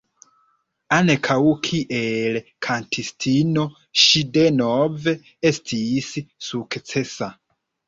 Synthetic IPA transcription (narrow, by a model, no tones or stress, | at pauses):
ankʰawkʰiʔelkʰantʰistʰino̞ | ʃide̞nove̞ | estʰissukt͡sesa